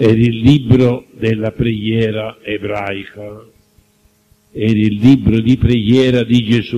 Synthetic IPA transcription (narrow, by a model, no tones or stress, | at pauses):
ɛɾilːibɾod̪elːapɾeɡjɛːɾaebɾajka | ɛɾilːibɾod̪ipɾeɡjɛːɾad̪id͡ʒesu